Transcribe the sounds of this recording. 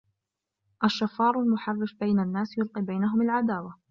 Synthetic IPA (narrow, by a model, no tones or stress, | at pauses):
ʔaʃːafɑːɾˤalmʊħɑrˤːɪfbajnanːaːsjʊlqiːbajnaɦʊmalʕad̪aːwa